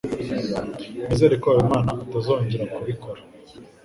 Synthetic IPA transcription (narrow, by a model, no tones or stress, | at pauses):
mezeːɾekoajomaːnaʔatazoːɲɟeɾakuβiko̞ɾḁ